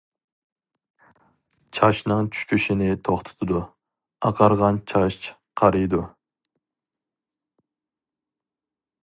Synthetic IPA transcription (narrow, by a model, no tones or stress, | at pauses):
t͡ʃʰɑʃnɨŋt͡ʃʰy̥ʃkʲʰyʃɪnɪt̪ʰoχt̪ʰɨ̥t̪ʰɨd̪u | ɑqʰɑɾʁɑnt͡ʃʰɑʃt͡ʃ | qʰɑɾɨjd̪u